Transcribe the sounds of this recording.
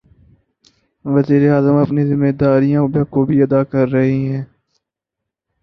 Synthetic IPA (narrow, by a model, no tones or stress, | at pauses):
ʋəziːɾeaːzəmɐpnizɪmːeːd̪aːɾijãbkobʱiɐd̪aːkɐɾːɐɦiɦɛ̃ː